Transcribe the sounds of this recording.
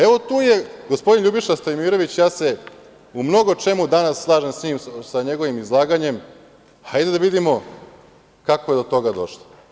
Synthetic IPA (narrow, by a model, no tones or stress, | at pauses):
e̞ʋo̞t̪uːje̞ɡospo̞d̪inʎʲuːbiʃast̪ojmiːɾo̞ʋit͡ɕjaːse | umno̞ɡot͡ʃe̞mud̪anassːlˠaːʒemsɲiːmsaɲe̞ɡo̞ʋimizlˠaːɡaɲe̞m | ajd̪ed̪aʋid̪imo̞ | kakoje̞d̪o̞t̪o̞ɡad̪o̞̰ʃlˠo